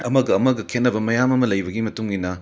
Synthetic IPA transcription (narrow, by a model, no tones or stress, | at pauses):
ɐmɐɡɐːmɐɡɐkʰenːɐbɐmɐjamɐmɐlɐjbɐɡimɐtuŋɡinɐ